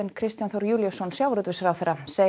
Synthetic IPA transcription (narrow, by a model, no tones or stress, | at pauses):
ɪnkʰɾɪst̪janθɔwɾjuːljasɔnsjawvɾʏt̪vɪsaɾawθɛɾːaseː